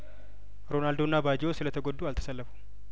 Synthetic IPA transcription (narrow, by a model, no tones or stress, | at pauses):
ɾo̞nald̪onːabad͡ʒɪwosɨlət̪ʰəɡod̪ːualt̪ʰə̥səlːəfu̥